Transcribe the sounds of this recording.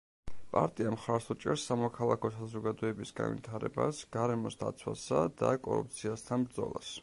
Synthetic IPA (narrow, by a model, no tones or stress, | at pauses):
pʼa̰ɾt̪ʼiamχaɾsut͡ʃʼɛɾsːamɔkʰalˠakʰɔsazɔɡad̪ɔɛbisɡa̰nvḭt̪ʰaɾɛbasɡ̥aɾɛmɔsd̪a̰t̪sʰwasad̪akʼɔɾṵp̚t̪sʰiast̪ʰanbɾd̪zɔlˠas